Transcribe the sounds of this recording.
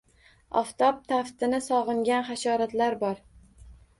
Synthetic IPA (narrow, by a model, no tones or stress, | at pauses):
ɒ̰ft̪ʰɒp̚t̪ʰaft̪ɪnɪsɒʁɨŋɡʲanχaʃɒɾat̪laɾbɒɾ